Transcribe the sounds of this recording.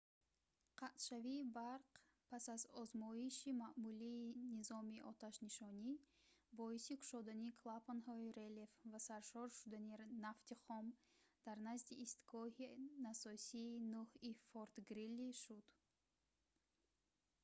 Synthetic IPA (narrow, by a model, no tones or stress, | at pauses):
qʰat̪ʃaviːbaɾq | pʰasazɔzmɔiʃimaʔmuliːnizɔmiʔɔt̪ʰaʃniʃɔni | bɔisikʰu̥ʃɔd̪anikʰlˠapanhɔiɾelefvasaɾʃɔɾʃud̪aninaft̪iχɔm | d̪̥aɾnazd̪iʔːst̪ɡɔhinasɔsiːnuhifoɾt̪ɡɾilːiʃud̪